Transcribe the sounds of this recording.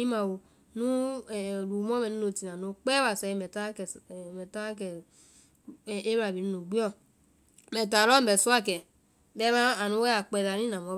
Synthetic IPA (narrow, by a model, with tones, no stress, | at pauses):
i˦ma˨wo˨ | nũ˦˨ɾu˨m˦ɔ˦mɛ˨u˦no˧˨ti˨nã˨no˨˦k͡pɛ˦wa˨sɛ˨mɛ˨ta˦kmɛ˨ta˦kɛ˨ | e˦βa˨bi˨nu˦no˨ɡ͡bi˦ɔ˦ | mɛ˨ta˨ɾɔ˦m̩˦bɛ˨su˦a˦kɛ˨ | bɛ˦mã˦a˨nu˦wɛ˦a˨k͡pɛ˨da˨ɾĩ˦nã˨mɔ˦